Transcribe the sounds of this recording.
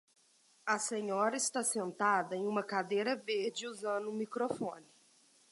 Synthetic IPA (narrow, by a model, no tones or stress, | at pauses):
ɐsẽɲɔɾɐɪst̪asẽnt̪ad̪ɐẽj̃ũmɐkad̪ejɾɐveɾd͡ʒɪuzɐ̃nʊmikɾofõnɪ